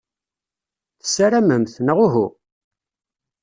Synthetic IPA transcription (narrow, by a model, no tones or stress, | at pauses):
θə̥sːaɾæməmθnəʁʊɦu